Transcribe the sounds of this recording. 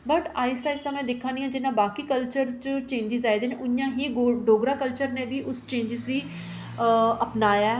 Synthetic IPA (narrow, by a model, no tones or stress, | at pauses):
bəʈaːɪsaːɪsaːmɛ̃ːd̪ekʰːãːnd̪iːɦãːd͡ʒɪnãːbaːkiːkəlt͡ʃəɾt͡ʃt͡ʃẽːɲd͡ʒɪzaːed̪eːneʔʊnjãːɦiːoɖoːɡɾaːkəlt͡ʃəɾnẽːbiːʔʊst͡ʃẽːɲd͡ʒɪziː | əpnaːjaː